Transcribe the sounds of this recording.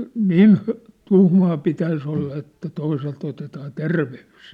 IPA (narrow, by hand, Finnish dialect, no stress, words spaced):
niːn tuhmɑː pitæis olːɑ etːæ toiselt otetɑː terʋeys